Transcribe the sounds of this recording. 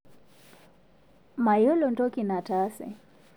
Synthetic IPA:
ma˨jɔ˦lɔ˨ntɔ˦ki˨na˨ta˦sɛ̰˨

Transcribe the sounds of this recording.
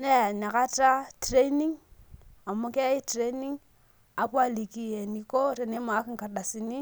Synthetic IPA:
ne˦ja˨na˨ka˦ta˦tɾe˦ni˦ŋ | a˨mːa˦ke˦i˦tɾe˦ni˦ŋ | a˨pwa˦li˨ki˦je˨ni˨ko˦ɾe˨ne˨˦ma˨˦ki˦ŋ˨ka˨ɗa˨si˨ni˦

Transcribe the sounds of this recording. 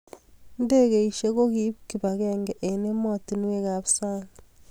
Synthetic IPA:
nde˦ke˨i˨ʃe˦ko˦ki˦pki˨βa˨kɛŋɡɛ˨ʔe˨ne˦mɔ˦ti˨n˦we˦ka˨βsa˦ŋa

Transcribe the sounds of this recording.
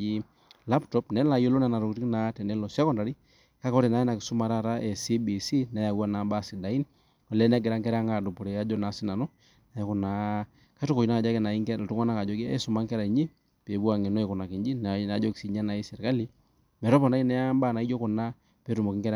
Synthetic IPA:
i˦ | la˦ptɔ˦pnɛ˦la˨jo˦lo˦na˨na˨ɾɔ˨kti˦kna˨tɛ˨nɛ˦lɔ˨sɛ˦kɔ˦nda˨ɾi˦ | ka˦kɔ˦ɾɛ˨na˨˦ɛ˦na˨kɪ˨sʊ˦ma˨ɾa˦˨ta˦ʔɛ˨si˦bi˨si˦nɛ˨˦ja˨wa˦na˨mba˦˨si˨da˨i˦n | a˨lɛ˦nɛ˦ɡɛ˨ɾa˦ŋkɛ˦ɾa˦ŋa˨du˨pɔ˨ɾɛ˨a˦d͡ʒɔ˦na˨˦sɪ˦na˨nɔ˦ | na˨jɛ˦kʊ˨na˨ | ka˦to˦ko˨i˨na˦a˨d͡ʒa˦kɛ˦˨na˨i˦ŋkɛ˦˨tu˦ŋa˦na˦ka˨d͡ʒɔ˦kḭ˦sʊ˨ma˦ŋkɛ˦ɾa˨ɲi˦ | pe˨bu˦a˨ŋɪ˨nɔ˦ɛ˨kʊ˨na˨ki˨ɲd͡ʒi˦nna˨˦d͡ʒɔ˦ksi˦ɲa˦na˨i˦sɛ˨ɾka˦li˦ | mɛ˨ɾɔ˦pɔ˨na˦i˦nɛ˦a˦mba˦˨na˨i˦d͡ʒɔ˦kɔ˨na˦ | pe˨˦tu˨mɔ˨kɪ˦ŋkɛ˦ɾ

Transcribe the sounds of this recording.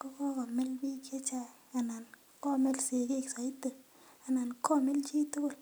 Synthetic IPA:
kɔ˦kɔ˦kɔ˨me˦lbi˦kje˦t͡ʃa˦ | a˨na˨n | kɔ˦me˦lse˨ke˦˨ksa˨i˦tə˨ | a˨na˨nkʰɔ˦me˦lt͡ʃi˦to˦o˦˨l

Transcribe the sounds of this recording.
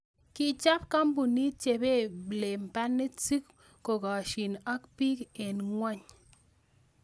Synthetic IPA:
ki˦t͡ʃa˦p̚ka˦mbu˨ni˦t͡ʃe˨be˦˨ble˨m˨pa˦nːe˦t͡si˦k | ko˨ɡa˨ʃi˨na˦k̚pi˦ke˨nŋwa˦ɲ

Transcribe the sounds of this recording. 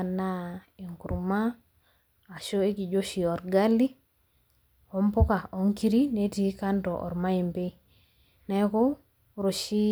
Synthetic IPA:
a˨na˦ | e˨ŋku˨ɾumaː˦˨ | ʃo˦e˦ki˨d͡ʒo˦ʃi˨ɔ˨ɾɡa˦li˦ | ɔ˦mpo˦ka˨ɔ˨ŋki˦ɾi˦ne˦ti˦ka˦ntɔ˨ʔɔ̰˨ɾma˦i˨mpe˦ | nɛ˨ko˦ | ɾo˨ʃi˦

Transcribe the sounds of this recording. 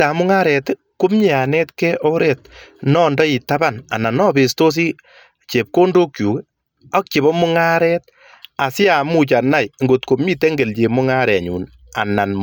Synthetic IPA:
a˨mʊ˦ŋa˦ɾɛ˨t | kʊ˦mɲi˦a˨nɛ˦tkɛ˦ʔɔ˦ɾɛt̚nɔ˦ndɔ˦i˨ta˦ba˦˨na̰˨na˨nɔ˦be˨sto˦s̬i˦ | t͡ʃe˨p̚ko˦ndo˦kju˨k | ɔ˦k̚t͡ʃe˨βɔ˦mʊ˦ŋa˦ɾɛːt̚ | a˨sɪ˦a˨mu˦t͡ʃa˨na˦jŋɡo˨tko˨mɲi˦te˦ŋɡe˨lt͡ʃe˨mʊ˦ŋa˦ɾɛ˨a˨ɲṵ˨n | a̰˨na˨nm

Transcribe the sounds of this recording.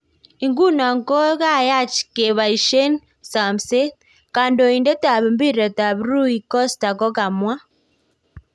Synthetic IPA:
i˨ŋɡu˦na˨ŋkɔ˦ɣa˦ja˦˨t͡ʃi̥˨ke˨βa˨i˨ʃɛ˦n | sa˨msɛ˦ | kaː˨ndɔ˨i˨ndɛ˦ta˨βi˨mbi˦ɾɛ˨ta˨βɾu˦i˨kɔ˦sta˨kɔ˦ka˨mwa˦

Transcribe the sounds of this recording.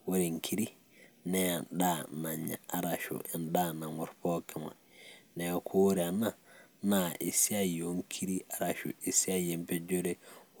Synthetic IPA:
wo˦ɾe˨ŋ̩˨kʰi˦ɾi˦ | nɛ̃˨n˨˦daː˦˨nã˨ɲã̰˨a˨ɾa˨ʃʊ̰˨ɪ˨n˦daː˦˨nã˨ŋɔ˨ɾpʰɔː˦kʰa˨mã̰˨ | nɛ̃˨kʰʊ˦wo˦ɾɪ˨a˨nã˨nã˨ʔɪ˨si˦a˦jɛ˨o˨˦ŋ̩˦kʰi˦ɾi˦a˨ɾa˨ʃʊ̰˨e˨si˦a˦jɛ˨m̩˦pʰɛ˦d͡ʒo˦ɾe˦

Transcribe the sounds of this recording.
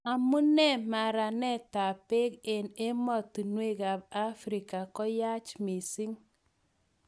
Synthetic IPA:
a˨mu˦nɛ˦˨ma˨ɾa˨nɛ˦ta˨pe˦ke˨ne˦mɔ˦˨tu˨nwe˦ka˨b̚a˦fɾi˨ka˨kɔ˦ja˦t͡ʃmi˨si˦ŋ

